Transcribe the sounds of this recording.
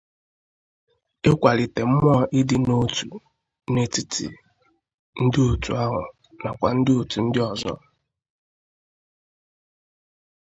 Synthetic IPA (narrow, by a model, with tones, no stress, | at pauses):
e˦kʷa˨lɪ˨te˨m̩˦m˦ɔ˦ʔɪ˦dɪ˦no˦tu˨ | ne˦ti˦tḭ˨ | n̩˦dɪ˦o˨tu˨a˦ɦʊ̰˨ | na˨kʷa˨n̩˦dɪ˦o˨tu˨n̩˦dɪ˦ɔ˨zɔ̰˦